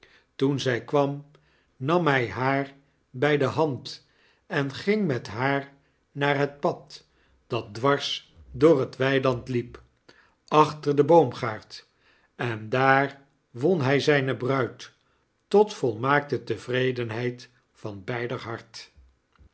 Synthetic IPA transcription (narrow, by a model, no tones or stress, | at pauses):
tunzɛjkʋɑm | nɑmɦɛjɦaːɹ | bɛjdəɦɑnt | ɛnχɪŋmɛtɦaːɹ | naːɹɦət̚pɑt | d̥ɑt̚dʋɑɹs | dʊːrɦətʋɛjlɑntlip | ɑχtəɹdəbowmχaːɹt | ɛndaːɹ | ʋɔnɦɛjzɛjnəbrœɥt | ɔtfɔlˠmaːk̚tətəvrejdənɦɛjt | fɑnbɛjdəɦɑɹt